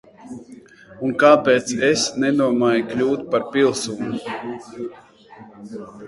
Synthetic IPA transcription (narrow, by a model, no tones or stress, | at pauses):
unkaːpɛːt̪sesnɛd̪uɔmaːjiklʲuːt̪paɾpilˠsuːnu